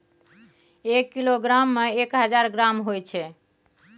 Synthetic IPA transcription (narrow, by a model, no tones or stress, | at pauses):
ekːiloɡɾamːeekɦəd͡ʒaɾɡɾamɦojt͡ʃʰɛ